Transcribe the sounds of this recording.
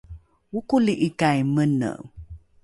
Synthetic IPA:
ukuliʔikajmənə̰

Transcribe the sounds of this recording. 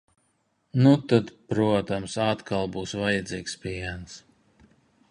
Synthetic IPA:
nut̪ad̪pɾuɔt̪amsaːt̪kʰalˠbuːsvajad̪ziːkspʲiɛns

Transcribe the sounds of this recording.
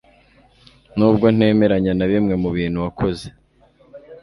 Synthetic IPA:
nuːbɡo̞n̥e̞ːme̞ɾaɲanaβimŋe̞muβiːn̥huβakʰo̞ze̞

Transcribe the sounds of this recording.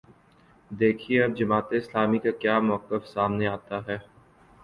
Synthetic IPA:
d̪eːkʰieɐb̚d͡ʒɐmaːt̪eɪslaːmikakjaːmɔəqːəfsaːmneaːt̪aɦɛː

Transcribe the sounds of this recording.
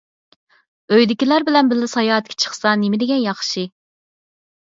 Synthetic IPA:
øjd̪ɪkʲilæɾbɪlɛnbɪlːɪsɑjɑːt̪̚kʲʰɛ̥t͡ʃʰə̥χsɑnemɪd̪ɪɡʲɛnjɑχʃi

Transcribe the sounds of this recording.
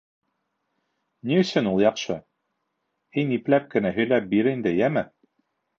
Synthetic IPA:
niɵ̆sɵnulˠjɑqʃɤ | hiniplæp̚kɘ̆næɦɵ̆jlæp̚biɾind̪ɘjæmɘ

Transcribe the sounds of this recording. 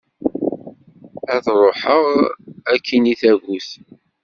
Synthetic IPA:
æðɾˤoħəʁækʰːiniθæʝuθ

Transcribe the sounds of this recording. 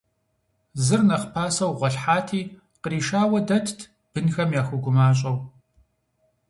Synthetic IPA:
zɨrnɐχpʰaːsɐwʁʷɔɬħaːtʰiː | qəɾiːʃaːwɐdɐtʰtʰ | b̥ɨnxɐmjaːxʊɡʷʊmaːɕ̬ʼɐw

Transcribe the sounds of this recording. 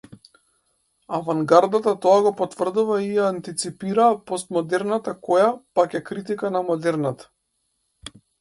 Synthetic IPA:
avaŋɡaɾd̪at̪at̪ɔaɡɔpɔt̪v̥r̩d̪uvaijaːnt̪it̪sipiɾaːpɔst̪mɔd̪ɛɾnat̪akɔjapakɛkɾit̪ikanamɔd̪ɛɾnat̪ḁ

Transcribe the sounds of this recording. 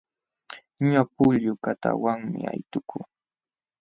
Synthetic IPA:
ɲʊapʊʎjʊkat̪a̰waŋmɪajt̪ʊkʰʊ

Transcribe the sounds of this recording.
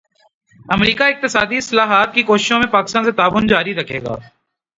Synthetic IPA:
əmɾiːkaɪk̚t̪ɪsaːd̪iɪslaːɦaːt̪̚kikoːʃɪʃõmẽpaːkɪst̪ãːnset̪aːʋʊnd͡ʒaːɾiɾəkʰḛːɡa̰ː

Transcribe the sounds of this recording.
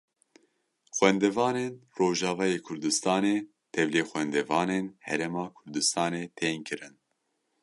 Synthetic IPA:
xwɛnd̪ɛvɑːneːnroːʒɑːvɑːjeːkʰʊɾd̪ɨst̪ɑːneː | t̪ʰɛvleːxwɛnd̪ɛvɑːneːnhɛɾemɑːkʰʊɾd̪ɨst̪ɑːneːt̪ʰeːnkʰɨɾɨn

